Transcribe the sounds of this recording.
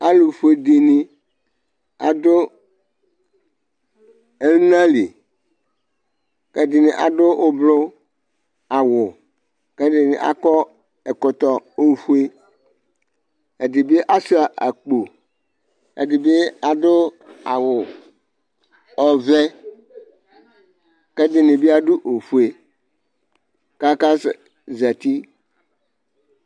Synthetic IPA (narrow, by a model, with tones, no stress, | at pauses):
a˦lu˨fu˨˦e˨di˨ni˨ | a˨dʊ˦ | e˦lnã˦li˨ | ke˦dɪ˨nĩ˨ʔa̰˨dʊ˦ʔʊ˦blʊ˦ | a˨wʊ˨ | ke˦dɪ˨nḭ̃˨ʔa̰˦kɔ˦ | e˨kɔ˨t̪ɔ˨o˦ɸu˦e˦ | ɛ˨dɪ˨be˦ʔa˦su˦a˨ʔa˨k͡po˨ | ɛ˨dɪ˨be˦a˨dʊ˦ | a˨wʊ˨ | ɔ˨vɛ˦ | kɛ˦dɪ˨nɪ˨bi˦a˦dʊ˦ʔo˨fu˨e˨ | ka˦ka˦s | za˨t̪i˦